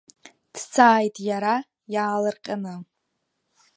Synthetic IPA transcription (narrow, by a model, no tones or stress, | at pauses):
d̥t͡sʰaːjtʼjaɾa | jaːlɨrqʲʼana